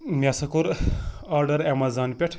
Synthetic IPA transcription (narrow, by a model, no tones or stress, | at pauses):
mʲasɐkuɾaːɾɖɐɾemɐzaːnpʲeʈʰ